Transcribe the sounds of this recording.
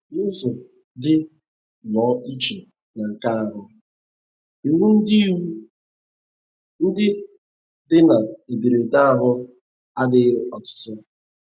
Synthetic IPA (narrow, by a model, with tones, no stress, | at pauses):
nʊ˦zʊ˨ | dɪ˦ | lɔ˨˦i˦t͡ʃe˨ | na˨ŋ̩˨ka˦a˦ɦʊ˨ | i˨wu˦n̩˦di˦wu˦ | n̩˦dɪ˦ | dɪ˦na˨e˨bi˨ɾe˨ta˦a˦ɦʊ˦ | a˦dɪ˦ɔ˨tʊ̥˨˦tʊ˦